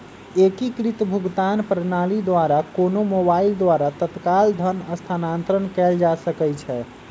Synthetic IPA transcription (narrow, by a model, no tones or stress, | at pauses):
ekikɾit̪bʱuɡt̪anpɾənalid̪ʋaɾakonomobaild̪ʋaɾat̪ət̪kald̪ʱənəst̪ʰanant̪ɾənkɛld͡ʒasəkɛt͡ʃʰɛ